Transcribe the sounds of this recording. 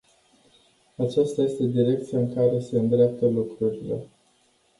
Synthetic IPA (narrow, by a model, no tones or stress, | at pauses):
at͡ʃast̪aje̞st̪e̞d̪iɾe̞k̚t̪sijaɨŋkaɾe̞se̞ɨnd̪ɾeap̚t̪əlukɾuɾile̞̰